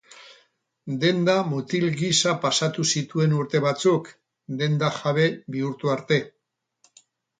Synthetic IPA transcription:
d̪e̞nd̪amut̪ilɡisapasat̪usit̪ue̞nuɾt̪e̞β̞at͡suk | d̪e̞nd̪aʝaβ̞e̞biuɾt̪uaɾt̪e̞

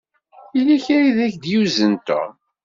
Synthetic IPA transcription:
iliçɾiðæçd̪juzənt̪æ̰

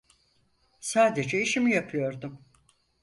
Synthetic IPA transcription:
saːd̪e̞d͡ʒɛiʃimijapʰɯjo̞ɾd̪um

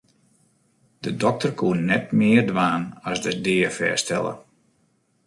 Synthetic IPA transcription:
d̥ədɔk̚tərkʰuənːɛtmɪərdʋaːnɔsdədɪːəfɛ̰ːstɛlˠə̰

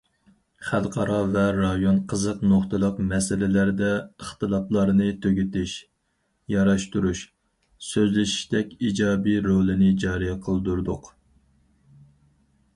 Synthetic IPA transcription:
χælˠqʰɑɾɑvɛɾɑjonqʰəzəqnoχt̪ɨlˠəqmɛsɪlɪlæɾd̪ɛəχt̪ɨlˠɑp̪lˠɑɾnɨt̪ʰøɡʲyt̪ɪʃ | jɑɾɑʃt̪uɾuʃ | søzlɪʃi̥ʃd̪ɛkʲid͡ʒɑːbiɾolˠɪnɪd͡ʒɑːɾijɛqʰəlˠd̪uɾd̪ʊq

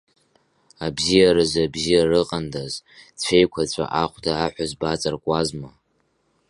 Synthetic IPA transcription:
abzijaɾɨzabzijarɨqʼandazt͡ʃʷʰejkʷʰat͡ɕʷʰʼa̰ʔaχʷtʰaːħʷazbat͡sʼarkʷʼazma

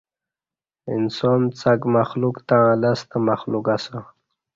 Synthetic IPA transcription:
ḭnsoːnt͡sakmaxlukt̪aalast̪amaxlukasa

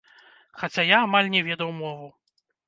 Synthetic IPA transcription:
xat͡sʲajaːmalʲnʲɛvʲɛd̪ɐwmɔvu

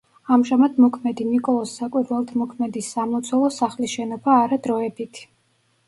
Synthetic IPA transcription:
amʒamad̪mɔkʰmɛd̪inikʼɔlˠɔsːakʼwiɾvɛlˠt̪ʰmɔkʰmɛd̪isːamɔt̪sʰwɛlˠɔsaχliʃɛnɔbaːɾad̪ɾɔɛbit̪ʰ

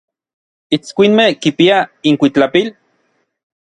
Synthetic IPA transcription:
it͡skʷinmehkipiaiŋkʷit͡ɬapil

